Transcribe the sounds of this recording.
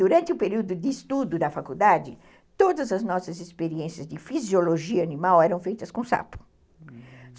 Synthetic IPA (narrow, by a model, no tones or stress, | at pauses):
uɾɐ̃nt̪ɪʊpeɾiwd̪ʊd̪ɪːst̪ud̪ʊd̪ɐfakud̪ad͡ʒɪ | t̪od̪ɐzɐznɔsɐzespeɾiẽsiɐzd̪ɪfizjoloʒiɐanimawɛɾɐ̃w̃fejt̪ɐskõsa̰pʊ̥